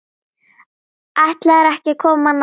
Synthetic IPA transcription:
aht̪laɾahkɪkʰoman

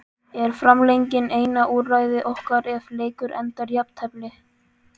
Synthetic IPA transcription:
ɛɾ̥fɾamlejɲcɪneːjnaʔuːraːjðɪʔowhkaɾɛvleːjkʏɾʔɛ̰nt̪aɾjap̚t̪ʰhɛplɪ

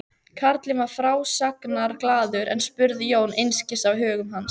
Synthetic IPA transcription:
kʰaɾt̪lɪnvaɾ̥fɾaːwsaknaɾklaːðʏɾɛ̰nspʏɾðɪjoːwnejnscɪst̪awɦœːɣʏmɦans

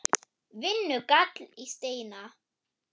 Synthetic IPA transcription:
vɪnːʏkat̪list̪ejna

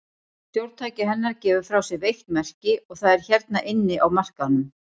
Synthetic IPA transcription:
st̪jowɾt̪ʰaːjcɪɦɛnːaɾcɛːvʏɾ̥fɾawsɛvejht̪mɛr̥cɪɔɣθaðɛɾ̥çɛɾt̪̚naʔɪnːɪʔawmar̥kanʏm

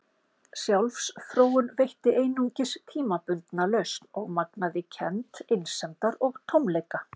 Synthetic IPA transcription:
sjawlfsθɾoːwʏnvejht̪ɪʔejnuɲcɪst̪ʰiːmapʏnt̪nalœɥsɔɣmaknaðɪcʰɛnt̪ejnsɛnt̪aɾɔɣt̪ʰowmlejka

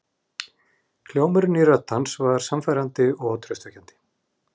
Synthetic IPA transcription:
kʰl̥joːwmʏɾnirœt̪ːansvaɾ̥samfajɾant̪ɪɔɣt̪ʰɾœst̪vɛhcant̪ɪ̥

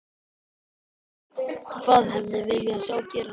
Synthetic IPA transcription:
kʰvaːðɦɛvðɪvɪjʏasaːwcɛːɾ

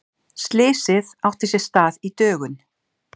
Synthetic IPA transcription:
st̪lɪːsɪðawht̪ɪsɛ̥st̪aːðit̪œːɣʏn

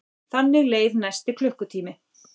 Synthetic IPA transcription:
θanːɪɣleːjðnajst̪ɪkʰlʏhkʏt̪ʰiːmɪ

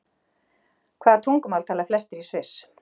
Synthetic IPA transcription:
kʰvaːðat̪ʰuŋkʏmalt̪ʰaːlaflɛst̪ɪɾisvɪs

